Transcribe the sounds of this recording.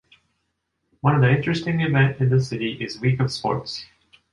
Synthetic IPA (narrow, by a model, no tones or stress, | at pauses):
wʌ̃ñʌvðiɪ̃nt͡ʃɹ̥ɨstɪ̃ŋɨvɛ̃ntɨ̃nðɨsɪɾiʔɪzwikʌv̥spɔ̰ɹts